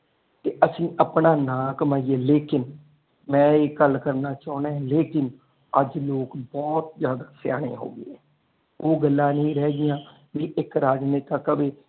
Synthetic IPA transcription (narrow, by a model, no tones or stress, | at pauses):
t̪eːʔəsĩːʔəpɳãːnãːkəmaːieːleːkɪn | mɛ̃ːeːɡəlkəɾnaːt͡ʃaːnãːleːkɪn | əd͡ʒloːkbɔːt̪̚zjaːd̪aːsɪja̰ːɽ̃ḛːɦo̰ːɡḛːɛː | oːɡəlːãːnəĩːɾɛːɡɪjãː | ʋiːʔɪkɾaːd͡ʒneːt̪aːkəbeː